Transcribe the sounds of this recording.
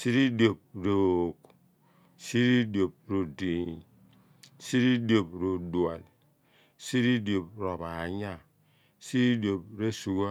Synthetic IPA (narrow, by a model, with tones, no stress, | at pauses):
si˦ɾi˦do˨b̚ɾo˨k | si˦ɾi˦do˨b̚ɾo˨di˨ɲ˨ | si˦ɾi˦do˨bɾo˨du˨a̰˨li˨ | si˦ɾi˦do˨p̚ɾo˨ba˨ɲa˦˨ | si˦ɾi˦do˨b̚ɾe˦su˨ɡo˦